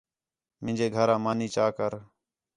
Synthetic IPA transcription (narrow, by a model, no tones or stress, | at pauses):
mɪ̃nd͡ʒeːɡʱəɾãːmaːniːt͡ʃaːkəɾ